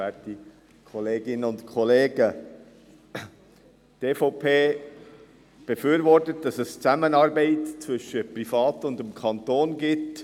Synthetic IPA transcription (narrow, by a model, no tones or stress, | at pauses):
ɛːti | kʰɔleːɡɪnənʊntkʰχɔleːɡə | teːfoʊpʰeː | b̥ɛfyːɾvɔrtət̚d̥ɑsɛst͡sæmənɑːɾbɛɪtt͡svʏʃəprifɑːtʊndəmkʰɑntoːnɡɪt